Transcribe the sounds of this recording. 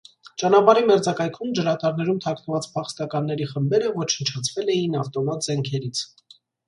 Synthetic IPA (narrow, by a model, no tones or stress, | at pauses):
t͡ʃɑnɑpɑɾimɛɾd͡zɑkɑjkʰumd͡ʒəɾɑt̪ɑɾnɛɾumt̪ʰɑkʰnəvɑt͡spʰɑχst̪ɑkɑnːɛɾiχəmbɛɾəvɔt͡ʃʰənt͡ʃʰɑt͡sʰvɛlɛjinɑft̪ɔmɑt̪zɛŋkʰɛɾit͡sʰ